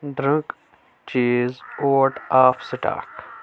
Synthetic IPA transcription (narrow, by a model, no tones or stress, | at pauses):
d̪ɾə̃ŋk | t͡ʃiːzoːʈaːfsɪʈa̰ːk